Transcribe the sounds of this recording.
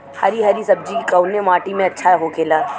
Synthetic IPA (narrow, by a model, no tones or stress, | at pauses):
hɐɾiɦɐɾisɐb̚d͡ʒikɐʊnemaːʈimẽɐtːʃʰaɦokʰeːlaː